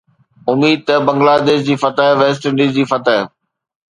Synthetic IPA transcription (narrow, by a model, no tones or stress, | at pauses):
ʊmiːd̪̚t̪ɐbɐ̃ŋɡlaːd̪eːʃd͡ʑiːfɐt̪əɦʋeːsʈə̃ɖiːd͡ʑiːfɐt̪əɦ